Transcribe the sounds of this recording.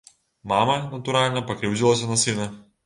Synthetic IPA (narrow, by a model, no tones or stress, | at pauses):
mɑːmɐnɐt̪ʊɾaːlʲɪnʲɐpɐkɾʲɛʊzʲɪlˠoːsʲɛnɐsʲinʲɐ